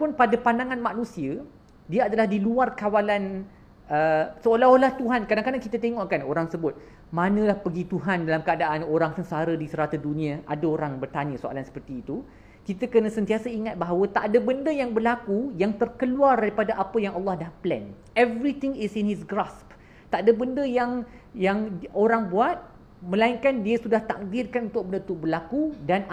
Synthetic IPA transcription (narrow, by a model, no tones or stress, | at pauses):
pʊnpadapandaŋãnmaʔnũsiə | diaadalahdiluarkawalan | əsəolaɦolaht̪uɦankadaŋkadaŋkit̪at̪eŋɔʔkanoɾaŋsəbʊt̪̚ | mãnə̃lahpəɡit̪uɦandalamkəadaʔanoɾaŋsənsaɾədisəɾat̪adunĩãʔa̰daoɾaŋbərt̪aɲə̃soʔa̰lansə̥pərt̪iːt̪u | kit̪əkənə̃sənt̪iasaiŋat̪̚baɦawət̪aʔdəbəndəjaŋbərlakujaŋt̪ərkəluardaɾipadaʔapəjaŋɑlːɑhdahplɛ̰n | ɛvɾit̪ɪ̃ŋɪsinhisɡrasp | t̪aʔdəbəndəjaŋ | jaŋoɾaŋbuat̪̚ | mə̃laiŋkandiəsudaht̪ak̚dɪrkanunt̪ʊk̚bəndəut̪ʊk̚bərlakudan